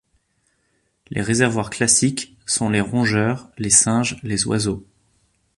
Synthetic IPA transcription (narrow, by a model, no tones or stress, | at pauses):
lʔḛʁezɛʁvwaʁklasik | sɔ̃leʁɔ̃ʒœʁlesɛ̃ʒlezwa̰zo